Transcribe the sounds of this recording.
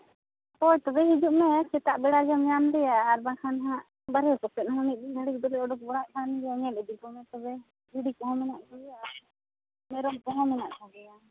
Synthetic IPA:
pɔjt̪ɔbɛɦid͡ʒuʔmɛt͡ʃɛt̪aʔbɛɽad͡ʒamɲamɾɛjaːɾbakʰanɦãʔ | baɾɛkɔpɛʔ̪ɦɔniʔbiɡʱaɽik̚d̪ɔlɛɔɖɔk̚bɔɽaʔkʰanɾɛjaɲɛlɛd̪ikɔmɛt̪ɔbɛ | biɽikɔɦɔ̃mɛnaʔɡɛaɾ | mɛɾɔŋkɔɦɔ̃mɛnaʔt̪ʰaɡɛja

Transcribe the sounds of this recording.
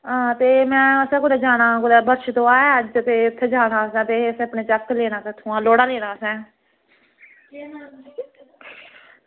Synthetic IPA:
ɦãːt̪eːmɛ̃ːəsɛ̃ːkʊd̪ɛːd͡ʒaːɽ̃ãːkʊd̪ɛːbəɾʃt̪õːaːɛːəd͡ʒt̪eːʊt̪ʰːeːd͡ʒaːɽaːəsɛ̃ːt̪eːəsẽəpɳeːt͡ʃəkleːɽ̃ãːkət̪ʰũːãːloːɽaːleːɽaːəsɛ̃ː

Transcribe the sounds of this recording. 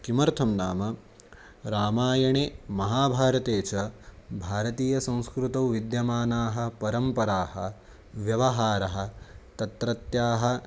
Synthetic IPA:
kimɐɾt̪ʰɐmnaːmɐ | ɾaːmaːjɐɳeːmɐɦaːbʱaːɾɐt̪eːt͡ʃɐbʱaːɾɐt̪iːjɐsɐ̃w̃skɾut̪ɐwʋid̪jɐmaːnaːɦɐ̆pɐɾɐmpɐɾaːɦɐ̆ | ʋjɐʋɐɦaːɾɐɦɐ̆t̪ɐt̪ɾɐt̪jaːɦɐ̆

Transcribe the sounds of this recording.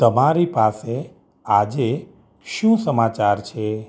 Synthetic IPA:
t̪əmaɾipase | ad͡ʒe | ʃũsəmat͡ʃaɾt͡ʃʰe

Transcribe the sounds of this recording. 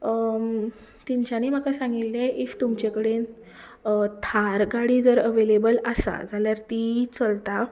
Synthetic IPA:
t̪iɲt͡ɕaniːm̤akasãŋɡilːeift̪umt͡ɕekəɽen | t̪ʰaɾɡaɽiːd͡zəɾəʋelebələsa̰d͡zaljaɾt̪it͡səlt̪a

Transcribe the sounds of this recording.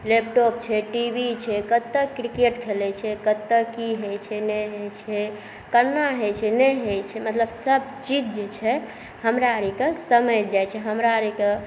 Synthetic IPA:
lep̚ʈɔp̚t͡ʃʰɛʈibit͡ʃʰɛkət̪ːəkɾikeʈkʰelɛt͡ʃʰɛkət̪ːəkiɦet͡ʃʰɛnɛɦet͡ʃʰɛ | kənːaɦet͡ʃʰɛnɛɦejt͡ʃʰɛmət̪ləbsəbt͡ʃid͡ʒd͡ʒet͡ʃʰɛ | həmɾaəɾikesəməjd͡ʒajt͡ʃʰɛɦəmɾaəɾike

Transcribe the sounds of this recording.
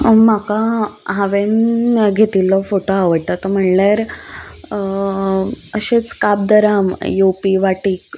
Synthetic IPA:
makaɦaʋenɡʱet̪iːlːɔfoʈoaʋəɽt̪at̪ɔm̤əɳlaɾ | əɕet͡skab̚d̪əɾamjopiːʋaʈiːk

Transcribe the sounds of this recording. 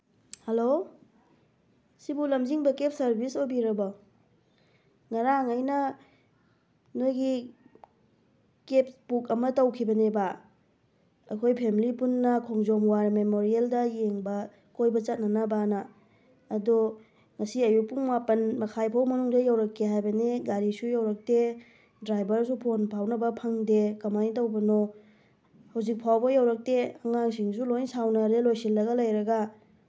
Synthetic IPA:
helo | sibulɐmziŋbɐkep̚sɐɾbʱisobiɾɐba | ŋɐɾaŋajnɐ | nojɡi | kep̚pukɐmɐtɐwkʰibɐneba | kʰojpʰemilipunːɐkʰoŋzɔmwaɾmemoɾieldɐjeŋbɐ | kojbɐt͡ʃɐt̚nɐnɐbanɐː | du | ŋɐsiɐjupuŋmapɐnmɐkʰajpʰawmɐnuŋdɐjawɾɐkʰːeɦajbɐniɡaɾisujawɾɐk̚te | dɾajbɐɾs̬upʰonpʰawnɐbɐpʰɐŋdekɐmantɐwbɐno | hɐwzik̚pʰawbɐjawɾɐk̚teɐŋaŋsiŋsulojnsawnɐɾelojsilːɐɡɐlɐjɾɐɡɐ

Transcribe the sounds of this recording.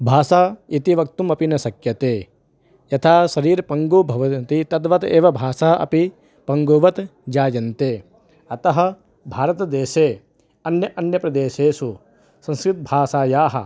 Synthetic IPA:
bʱaːsaːit̪iʋɐk̚t̪umɐpinɐsɐkjɐt̪eː | jɐt̪ʰaːʃɐɾiːɾpɐŋɡoːbʱɐʋɐt̪it̪ɐd̪ʋɐt̪eːʋɐbʱaːʃaːɐɐ̰pi | pɐŋɡoːʋɐt̪d͡ʒaːjɐnt̪eː | ɐt̪ɐɦɐ̆ | bʱaːɾɐt̪ɐd̪eːʃeː | ɐnjɐʔɐnjɐpɾɐd̪eːʃeːsu | sɐ̃ŋskɾɪt̪̚bʱaːsaːjaːɦɐ̰

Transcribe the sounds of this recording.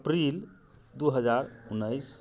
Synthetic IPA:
əpɾil | d̪uɦəd͡ʒaɾunːəjs

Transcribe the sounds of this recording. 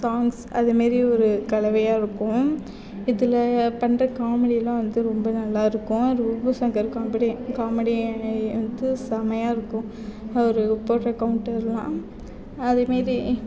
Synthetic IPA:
saːŋɡsɐðɐmaːɾɾiɔɾɯkɐlɐʋɐjaːɪɾɯkːʊ̃ | ɪðɯlɐpɐɳrɐkaːmɛɽilãʋɐnd̪ɯɾɔmbɐnɐlːaːɪɾɯkːʊ̃ɾɯbɐsaːŋɡɐɪɾɯkːʊ̃ɐpːɐɽikaːmɛɽiʋɐnd̪ɯsɐmɐjaːɪɾɯkːʊ̃ | ɔɾɯpoːʈːɐkːɐʋʊɳʈːɪɾlã̰ː | ɐðemaːɾi

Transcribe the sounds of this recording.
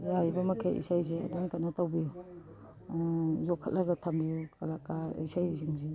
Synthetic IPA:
jajbɐmɐkʰajʔḭsajzea̰dankanatawbiju | jɔkʰːa̰t̚laɡɐtʰambijukalakaḭsajziŋze

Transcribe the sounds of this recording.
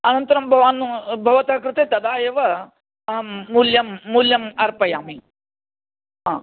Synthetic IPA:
ɐnɐnt̪ɐɾɐmbʱɐʋaːnubʱɐʋɐt̪aːkɾut̪et̪ɐd̪aːjeʋɐ | ɐɦɐːuljɐmːuljɐmɐɾpɐjaːmi | ɦãː

